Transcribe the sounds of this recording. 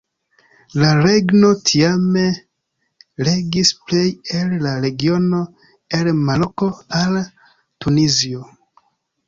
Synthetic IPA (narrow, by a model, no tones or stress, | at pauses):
laɾe̞ɡno̞tʰiame̞ | le̞ɡisple̞jellaɾe̞ɡio̞no̞ | elmaɾoko̞al | tunizio